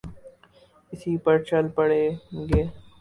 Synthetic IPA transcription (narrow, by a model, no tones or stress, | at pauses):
ɪsiːpɐɾt͡ʃɐlpɐɽeːɡeː